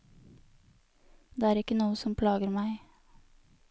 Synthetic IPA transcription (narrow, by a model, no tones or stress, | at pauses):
d̪̥eːæːɾɪkənuːəsɔmpʰlɑːɡəɾmæɪ